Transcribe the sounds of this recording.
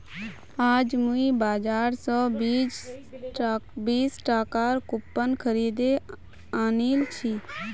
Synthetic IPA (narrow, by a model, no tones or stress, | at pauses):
aːd͡ʒmuĩbaːd͡ʒaːɾsɔːbi | biːsʈaːkaːɾkʊpːənkʰəɾiːd̪e | aːniːlt͡ʃʰiː